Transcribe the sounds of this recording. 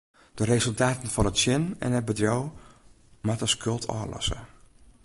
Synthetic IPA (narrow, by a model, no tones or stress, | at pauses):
d̥ərezɵlˠtaːtən̩fɔnətsjɪnɛ̰nɦəd̚bədrow | matəskɵlˠtʰɔ̰ːlɔ̰sə̰